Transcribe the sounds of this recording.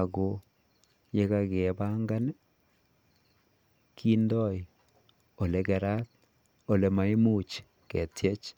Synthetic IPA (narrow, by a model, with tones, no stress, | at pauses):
a˨ɡo˨ | je˦ka˦kɛ˨ba˦ŋɡa˦n | kʰi˦ndɔ˦j | o˨le˨˦kɛ˨ɾa˦t̚ | o˨le˨ma˨˦mu˦t͡ʃ | kɛ˨tje˦t͡ʃ